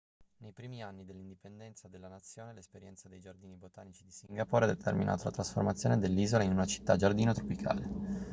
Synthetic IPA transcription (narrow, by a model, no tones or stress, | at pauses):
nejpɾiːmianːid̪elːind̪ipend̪ɛnt̪sad̪elːanat̪sːjoːnelespeɾjɛnt̪sad̪ejd͡ʒard̪iːnibot̪aːnit͡ʃid̪isiŋɡapoːɾead̪et̪ʰḛrmḭnʔa̰ːt̪olat̪ɾasfo̰rmat̪sːjoːned̪elːiːzolainunat͡ʃi̥t̪ːad͡ʒard̪iːnot̪ɾopikʰa̰ːle